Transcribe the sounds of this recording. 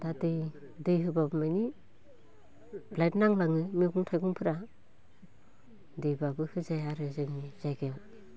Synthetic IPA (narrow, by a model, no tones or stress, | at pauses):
d̥adɯj | dɯjɦɯbabɯmajni | blajtnaŋlaŋɯmiɡuŋtʰajɡuŋpʰɯɾa | dɯjbabɯhɯzajaɾɯzɯmizajɡew